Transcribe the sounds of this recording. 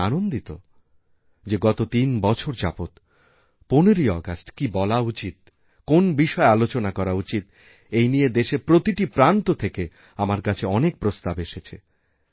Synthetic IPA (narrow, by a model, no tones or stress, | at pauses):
anond̪it̪o̰ | d͡ʑeɡɔt̪ot̪inbɔt͡ɕʰoɾd͡ʑapot̪ | poneɾiɔɡasʈkibɔlaut͡ɕit̪̚ | konbiʃɔealot͡ɕonakɔɾaut͡ɕit̪ | ejnijed̪eʃepɾot̪iʈipɾant̪ot̪ʰeke | amaɾkat͡ɕʰeɔnek̚pɾost̪abeʃet͡ɕʰḛ